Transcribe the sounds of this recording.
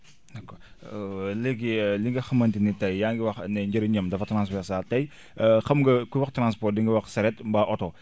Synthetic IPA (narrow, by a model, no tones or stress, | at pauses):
dɐkːɔ | leɡiliŋɡɐxɐmɐntinitɐjjaːŋɡiwɐxnɛɲɟɐɾɐɲɐmdɐfɐtɾansfɛɾsaːtɐj | xɐmɡɐkuwɐxtɾanspɔrt̚diŋɡɐwɐxsɐɾɛtmbɐʔɔtɔ